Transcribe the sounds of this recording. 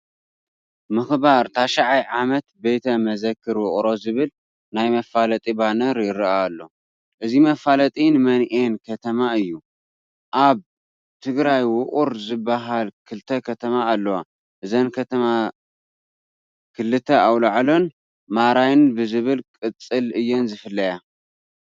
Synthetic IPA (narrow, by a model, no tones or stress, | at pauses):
mɨxbaɾt̪ʰaʃaʕajʕamɐt̪̚be̞t̪ʰɐmɐzɐkʰːɨɾwʊʔʼɾo̞zɨβɨl | najmɐfalɐt̪ʼibanɐɾjɪɾaːlːo̞ | ʔɨzimɐfalɐt̪ʼinɨmɐnʔenkʰɐt̪ʰɐmaɨjːu | ʔaβ | t̪ʰɨɡɾajwʊχʼuɾzɨbːaɦalkʰɨlt̪ʰɐkʰɐt̪ʰɐmaːlːɐwa | ʔɨzɐnkʰɐt̪ʰɐma | kʰɨlːɨt̪ʰɐawlaʕlo̞n | maɾajnbɨzɨβɨlkʼɨt͡sʼːɨlɨjːonzɨfɨlːɐja